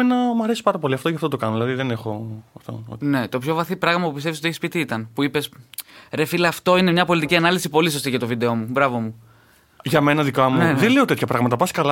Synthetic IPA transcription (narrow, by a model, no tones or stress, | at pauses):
enɐmɐɾesi̥pɐɾɐpo̞liɐft̪oʝɐft̪ot̪o̞kɐnoðilɐðiðene̞xo̞ɐft̪o̰ne̞t̪o̞pço̞vɐθipɾɐɣmɐpupist̪e̞visot̪ieçispit̪iit̪ɐnpuipe̞sɾe̞filːft̪o̞ine̞mɲɐpo̞lit̪iciɐnɐlisipo̞lis̬o̞st̪iʝɐt̪o̞vid̪e̞o̞mubɾɐvo̞mu | ʝɐme̞nɐðikɐmuneðeleo̞t̪e̞t̪çɐpɾɐɣmɐt̪ɐpɐsi̥kɐlɐ